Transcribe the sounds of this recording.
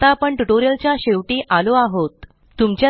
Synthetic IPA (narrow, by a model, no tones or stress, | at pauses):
t̪aːpəɳʈuʈoɾijəlt͡ɕjaɕeʋʈiʔaloaɦot̪ː | umt͡ɕja